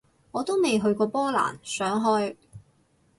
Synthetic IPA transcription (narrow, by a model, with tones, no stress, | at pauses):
ŋɔː˨˧t̪o˥wme˨jɦɵ˧ɥkɔː˧pɔː˥la̰ː˨˩nsœː˨˥ŋɦɔː˥j